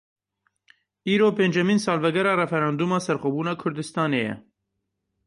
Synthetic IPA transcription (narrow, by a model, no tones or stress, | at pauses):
iːɾoːpeːnd͡ʒɛmiːnsɑːlvɛɡɛɾɑːɾɛfɛɾɑːnd̪uːmɑːsɛɾxɔbuːnɑːkʰʊɾd̪ɨst̪ɑːnejɛ̰